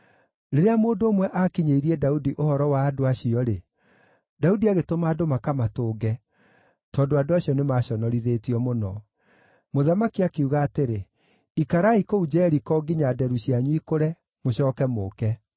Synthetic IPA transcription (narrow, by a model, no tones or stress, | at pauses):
ɾeɾeamoːndoːmwɛʔakiɲeiɾiɛdaudiʔohɔɾɔwaːdoaɕiɔɾe | daudiaɣetomaːdomakamatoːɡɛ | tɔːndoadoaɕiɔnemaɕɔnɔɾiðeːtiɔmonɔ | moðamakiakeuɣaːteɾe | ikaɾaikoud͡ʒɛːɾikɔɡiɲadɛɾuɕiaɲwikoɾɛ | moɕɔːkɛmokɛ